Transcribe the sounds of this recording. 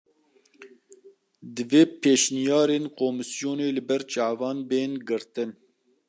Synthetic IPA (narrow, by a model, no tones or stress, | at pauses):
d̪ɨveːpʰeːʃnijɑːɾeːnkoːmɨsijoːneːlɨbɛɾt͡ʃɑːvɑːnbeːnɡɨɾt̪ɨn